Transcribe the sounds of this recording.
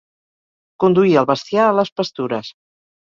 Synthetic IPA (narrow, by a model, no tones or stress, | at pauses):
kund̪uiəlˠβəst̪ijaələspəst̪uɾəs